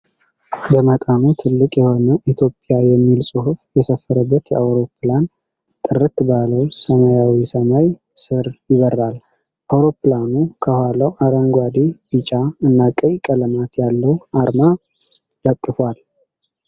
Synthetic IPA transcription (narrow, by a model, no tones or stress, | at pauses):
bəmət̪ʼanut̪ʰɨlːɨkʼjɛho̞nəʔit̪ʰjo̞pʼːjajɛmːilsʼuhufjɛsəfːəɾəbːət̪jɛʔawɾo̞pʰlan | t̪ʼɨɾɨt̪baləwsəmajawisəmaj | sɨɾjɪβərːal | ʔawɾo̞planukʰəhʷaləwʔaɾəŋɡʷad̪ibɨt͡ʃʼaɨnːakʼəjkʼələmat̪jalːəwʔaɾma | lət̪ʼːɨfwal